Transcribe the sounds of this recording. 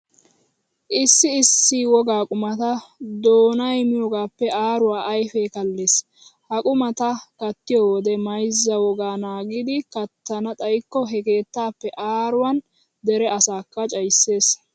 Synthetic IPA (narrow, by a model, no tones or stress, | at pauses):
ʔɪsːɪɪsːɪwɔɡaːkʼʊmɐt̪ɐd̪oːnɐjmɪjoːɡaːpːɛʔaːɾʊwaːʔɐjfɛːkɐlːeːs | hɐkʼʊmɐt̪ɐkɐt̪ːɪjoːwɔd̪ɛmɐjzːɐwɔɡaːnaːɡɪd̪ɪkɐt̪ːɐnɐt̪ʼɐjkːɔɦɛke̞ːt̪ːaːpːɛʔaːɾʊwɐn | d̪ɛɾɛɐsaːkːɐt͡ʃʼɐjsːe̞ːs